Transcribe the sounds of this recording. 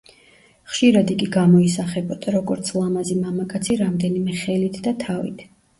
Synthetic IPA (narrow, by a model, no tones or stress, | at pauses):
χʃiɾad̪iɡʼiɡamɔisaχɛbɔd̪̥aɾɔɡɔɾt̪sʰlˠamazimamakʼat̪sʰiɾamd̪ɛnimɛχɛlit̪ʰd̪at̪ʰavḭt̪ʰ